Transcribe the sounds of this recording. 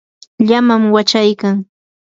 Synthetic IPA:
ʎamamwat͡ʃajkaŋ

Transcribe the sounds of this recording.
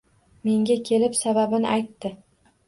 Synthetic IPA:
me̞ŋɡʲakʲʰe̞lɪpsababɪnɪajt̪ːɪ

